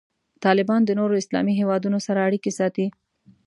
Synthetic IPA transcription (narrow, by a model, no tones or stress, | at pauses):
t̪ɑlɪbɑnd̪ənoɾoɪslɑ̰miɦewɑd̪unosaɾaːɽikesɑt̪i